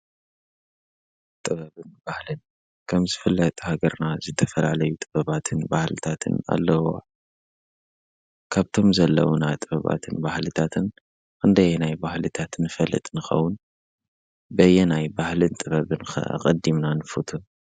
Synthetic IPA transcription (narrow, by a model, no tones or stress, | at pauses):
t̪ʼɨβɐβɨnbahlɨn | kʰɐmzɨfɨlːɐt̪ʼhaɡɐɾnazɨt̪ʰɐfɐlalɐjut̪ʼɨbɐβat̪ʰɨnbahlɨt̪ʰat̪ʰɨ̰na̰lːɐwo | kʰaβt̪ʰo̞mzɐlːɐ̰wunat̪ʼɨβɐβa̰t̪ʰɨnbahlɨt̪ʰat̪ʰɨn | kʰɨnd̪ɐjnajbahlɨt̪ʰat̪nɨfɐlːɨ̰t̪ʼnɨxɐ̰wʊn | bɐjɛnajbahlɨnt̪ʼɨβɐβɨnxɐ̰a̰qʼɐd̪imnanɨfut̪ʰu